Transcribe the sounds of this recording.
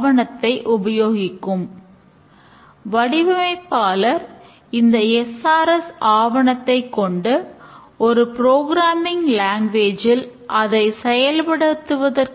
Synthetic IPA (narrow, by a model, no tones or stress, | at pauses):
ʋɐɳɐt̪ːɐɪʔʊbɐjoːɣɪkːɯm | ʋɐɽɪʋɐmɐɪpːaːlɐɾ | ɪnd̪ɐɛsaːɾɐsaːʋɐɳɐt̪ːɐɪkːɔɳɖɯ | ɔɾɯpɾoːɣɾaːmɪŋlaːŋɡʋeːd͡ʒɪl | ʔɐðɐɪsɛjɐlpɐɽɯt̪ːɯʋɐðɐr